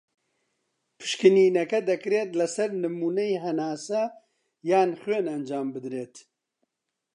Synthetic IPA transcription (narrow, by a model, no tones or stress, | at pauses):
pʰɨ̥ʃkɨniːnɛkɛd̪ɛkɨɾeːt̪lɐsɐɾnɨmuːnejɦɛnaːsɐ | jaːnxweːnɛnd͡ʒaːmbɨd̪ɾeːt̪